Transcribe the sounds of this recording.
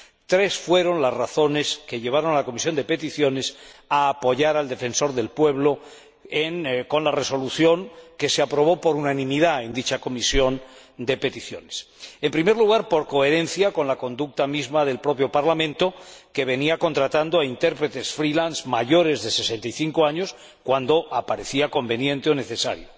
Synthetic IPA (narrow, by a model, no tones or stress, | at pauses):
t̪ɾe̞sfwe̞ɾo̞nlazraθo̞ne̞ske̞ʎe̞β̞aɾo̞nalako̞misjo̞nd̪e̞pe̞t̪iθjo̞ne̞saːpo̞ʝaɾald̪e̞fe̞nso̞ɾðe̞lpwe̞β̞lo̞ | eŋko̞nlare̞so̞luθjo̞ŋke̞seapɾo̞β̞o̞po̞ɾunanĩmiðae̞nd̪it͡ʃako̞misjo̞n | d̪e̞pe̞t̪iθjo̞ne̞sempɾime̞ɾluɣ̞aɾpo̞ɾko̞e̞ɾe̞nθjako̞nlako̞nd̪uk̚t̪amizmaðe̞lpɾo̞pjo̞paɾlamẽ̞nt̪o̞ke̞β̞e̞niako̞nt̪ɾat̪and̪oaint̪e̞ɾpɾe̞t̪e̞sfɾilansmaʝo̞ɾe̞zðe̞se̞se̞nt̪ajθiŋkoaɲos | kwand̪o̞ʔapaɾe̞θiako̞mbe̞njẽ̞nt̪eo̞ne̞θe̞sa̰ɾjo